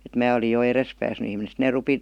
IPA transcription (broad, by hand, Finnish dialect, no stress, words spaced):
et mæː oli jo eres pæːsny ihmine sĭt neː rupi